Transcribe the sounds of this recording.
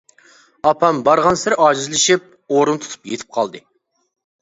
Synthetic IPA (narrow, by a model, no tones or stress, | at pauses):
ɑpʰɑmbɑɾʁɑnsɪɾʔɑʒizlˠɪʃip̚ | oɾɨnt̪ʰu̥t̪ʰu̥pjet̪ʰɪ̥p̚qʰɑlˠd̪ɨ